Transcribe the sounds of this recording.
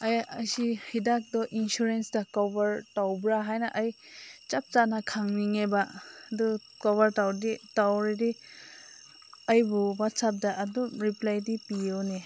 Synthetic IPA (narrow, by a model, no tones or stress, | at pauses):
ajasihidak̚dɔʔinsuɾensdakɔbaɾtawbɾaɦajnaʔaj | t͡ʃap̚t͡ʃanakʰaŋniŋebadɔ | kɔβaɾtawditawɾedi | ajbuwatsap̚daʔːdumɾiplajdipione